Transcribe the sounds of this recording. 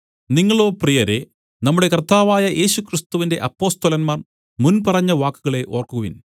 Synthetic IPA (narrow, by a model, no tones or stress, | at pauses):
niŋːɐɭo̞ːprijɐɾe̞ | nɐmːuɽe̞kɐrt̪aːʋaːjɐʔe̞ːɕukrist̪uʋinde̞ʔɐpːo̞ːst̪ɐlɐnmaːr | munpɐrɐɲːɐʋaːkːuɣɐɭe̞ʔoːrkuɣɐʋḭn